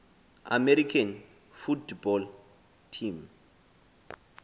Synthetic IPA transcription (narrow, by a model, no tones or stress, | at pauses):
a̰mɛɾikʰan | futbɔl | tʰim